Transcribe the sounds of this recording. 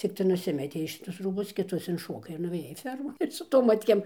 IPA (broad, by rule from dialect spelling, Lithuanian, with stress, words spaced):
t͡sʲɪkˈtɐɪ nʊˈsʲɪmʲɛtʲɛɪ ʃʲɪˈtʊs ˈruːbʊs kʲɪˈtʊs ɪnˈʃoːkɐɪ ɪr nʊʋʲeːˈjɛɪ ˈfʲɛrmoːn ɪr sʊ ˈtoːm ˈmɑːtʲkʲeːm